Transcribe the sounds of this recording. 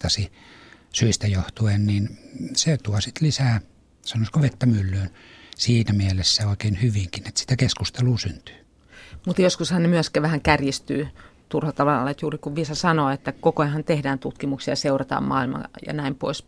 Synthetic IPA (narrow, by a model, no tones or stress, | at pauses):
ɑsi | syist̪æjoht̪uenniːnset̪uɑsit̪lisæː | sɑnoskoʋet̪ːæmylːyːn | siːnæmielesːæoˑekeˑːnhyʋiŋkinet̪si̥t̪ækeskust̪eluːsynt̪y̥ː | mut̪joskushɑnnemyæskæʋæhæŋkærjist̪y̰ːt̪urhɑt̪ɑʋɑlːet̪juːrikuʋʋisɑsɑnoːet̪ːækokoenhɑnt̪ehdæːnt̪ut̪kimuksijɑseurɑt̪ɑ̰ːmmɑ̰ːilmɑ̰jɑ̰næimpo̰is